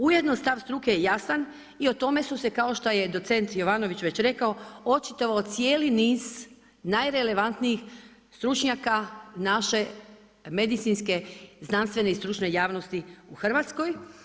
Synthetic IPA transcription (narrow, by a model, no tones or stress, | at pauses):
ujed̪nost̪aʋst̪ɾukejejasan | io̞t̪o̞me̞suse̞kao̞ʃt̪aje̞d̪o̞t̪se̞nt̪jo̞ʋano̞ʋit͡ɕʋe̞t͡ɕɾe̞kaoo̞t͡ʃit̪oʋaot̪sijeːliniːz̥ | najɾe̞le̞ʋant̪niix | st̪ɾut͡ʃɲakanaʃe̞ | me̞d̪it̪sinske̞znanst̪ʋe̞neist̪ɾut͡ʃne̞jaːʋno̞st̪iuxr̩ʋat̪sko̞j